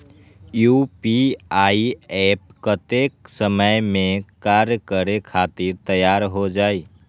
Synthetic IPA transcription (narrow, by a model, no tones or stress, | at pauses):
jupiaːiɛːp̚kət̪ek̚səməjmẽkaɾjəkəɾekʰaːt̪ɪɾt̪əjaːɾɦod͡ʒaːi